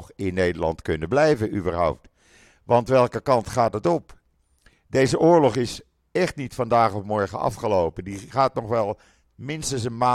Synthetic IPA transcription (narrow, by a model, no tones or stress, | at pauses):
χɪnːejdəlɑ̰ntkɵnəblɛjvəyʋəɹɦʌ̰wp̚t | ʋɑntʋɛlˠkəkɑntχaːtətɔp | dejzəʔʊːɹlɔχɪs | ɛχtnitfɑndaːχɔfmɔɹχə̰nɑ̰fχəlowpəndiχaːtnɔχʋɛlˠ | mɪnstəns̬ənmaː